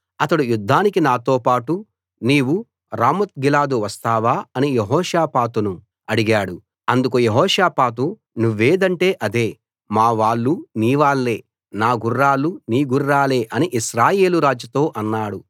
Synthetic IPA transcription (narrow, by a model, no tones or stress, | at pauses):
ɐt̪ɐɽujud̪ʱːaːnikinaːt̪o̞ːpaːʈu | niːwu | ɾaːmɐt̪̚ɡilaːd̪uʋɐst̪aːʋaːɐnijeɦɔːʂaːpaːt̪unu | ɐɽiɡaːɽu | ɐnd̪ukujeɦɔːʂaːpaːt̪̬u | nuʋːeːd̪ɐɳʈe̞ːʔɐd̪e̞ː | maːʋaːɭːuniːʋaːɭːe̞ː | naːɡurːaːlːuniːɡurːaːle̞ːʔɐniʔiʃɾaːje̞ːluɾaːd͡ʒjɐt̪o̞ːʔɐnːaːɽu